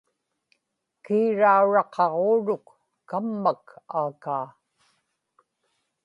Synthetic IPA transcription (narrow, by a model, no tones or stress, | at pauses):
kiːɻauɻɑqʰɑʁoːɻʊkː | amːakaːkaː